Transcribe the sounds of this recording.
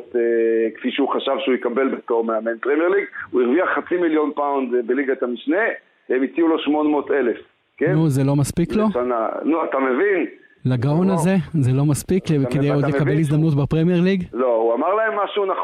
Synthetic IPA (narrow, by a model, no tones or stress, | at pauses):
tekfiʃeuχaʃavʃeujikabe̞lbet̪omeamenpʁemjeʁliɡuiʁviaχːat͡similjo̞npawnd̪beliɡaet̪amiʃne̞ | emit͡siulo̞ʃmo̞nmo̞telef | kennuzelo̞maspiklo̞ʃana̰nuat̪amevin | laɡaonazezelo̞maspikkedejod̪lekabelizd̪amnut̪bepʁemjeʁliɡlouamaʁlae̞mːaʃunaχ